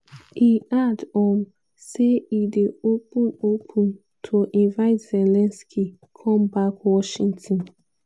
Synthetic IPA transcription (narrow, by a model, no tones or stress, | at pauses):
hiʔadɔ̃m | seideopũopʰũn | tʰoʔĩnvaɪtz̥ɛlɛ̃nskʰi | kʰɔ̃mbakwɔʃĩŋtʰɔ̃n